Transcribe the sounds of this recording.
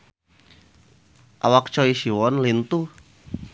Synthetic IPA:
ʔa̰wak̚t͡ʃɔisiwɔnlint̪u

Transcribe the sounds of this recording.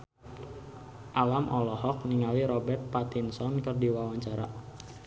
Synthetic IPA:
ʔalamʔɔlɔhɔk̚niŋaliɾɔbɛrt̪̚pat̪insɔnkərdiwawaɲt͡ʃaɾa̰

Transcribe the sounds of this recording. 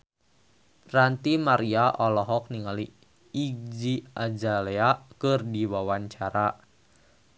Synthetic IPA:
rant̪imaɾiaʔɔlɔɦɔk̚niŋaliː | ɡ̚d͡ʒiad͡ʒaleakɨrdiwawaɲt͡ʃaɾa

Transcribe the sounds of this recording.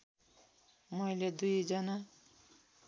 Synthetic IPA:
mʌjled̪ujd͡zʌna

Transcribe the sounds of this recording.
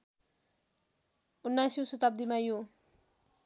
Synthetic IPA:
unːajsjusut̪ab̚d̪imajo

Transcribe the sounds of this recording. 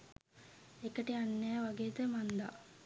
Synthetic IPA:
ekəʈianːeːʋaɡeːt̪əmand̪a̰

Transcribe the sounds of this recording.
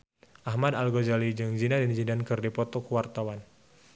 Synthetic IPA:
ʔahmadalɡod͡ʒalid͡ʒɨŋd͡ʒinadənd͡ʒidankɨrdipɔt̪ɔkuwart̪awan

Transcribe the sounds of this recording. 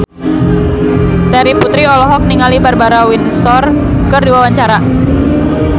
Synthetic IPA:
t̪ɛɾiput̪ɾiɔlɔɦɔk̚niŋalibarbaɾawinsɔr | kərduwawaɲt͡ʃaɾa

